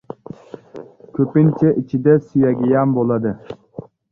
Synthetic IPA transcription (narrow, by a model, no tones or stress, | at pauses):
kʲʰøpint͡ʃʰɛʔit͡ʃʰid̪ɛsijɛɡʲijɑnbolˠɑd̪ɨ